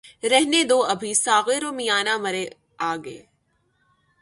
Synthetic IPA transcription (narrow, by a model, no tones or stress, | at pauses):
ɾɛɦned̪oːɐbʱisaːɣeɾoːmijaːnamɐɾe | aːɡḛː